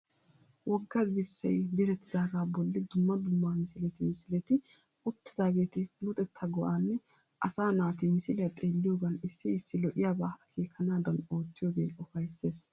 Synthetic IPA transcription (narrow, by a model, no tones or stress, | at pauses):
wɔɡːɐd̪ɪsːɐ̰jd̪ɪt̪ɛt̪ːɪd̪aːɡaːbɔlːɪd̪ʊmːɐd̪ʊmːaːmɪsɪlɛt̪ɪmɪsɪlɛt̪ɪ | ʊt̪ːɪd̪aːɡe̞ːt̪ɪlʊt̪ʼɛt̪ʰːɐɡɔʔaːnːɛʔɐsaːnaːt̪ɪmɪsɪlɛjɐt̪ʼe̞ːlːɪjoːɡɐnɪsːɪɪsːɪlɔʔɪjaːbaːɐkʰeːkʰːɐnaːd̪ɐno̞ːt̪ːɪjoːɡe̞ːɔfɐjsːeːs